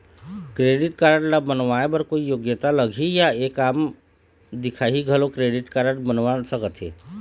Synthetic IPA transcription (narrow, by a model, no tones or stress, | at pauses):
kɾeːɖɪʈkaːɾəɽlabənʋaːebəɾkoːijoːɡjət̪aləɡʱijaeːkaːm | d̪ɪkʰaːɦiɡʱəlokɾeːɖɪʈkaːɾəɽ̃bənʋasəkət̪ɦḛː